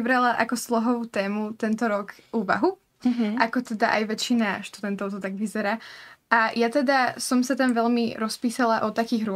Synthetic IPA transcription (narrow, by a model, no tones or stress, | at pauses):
bɾalaʔakɔslɔɦɔʋuːt̪ɛːmut̪ɛnt̪ɔɾɔkʔuːʋa̰ɦu | ʔakɔt̪ɛd̪aʔa̰jʋɛt͡ʃːinaʃt̪ud̪ɛnt̪ɔʊt̪ɔt̪aɡʋizɛɾaːʔajat̪ɛd̪asɔmsat̪amʋɛʎmiɾɔspiːsalaʔɔt̪akiːɣɾʊ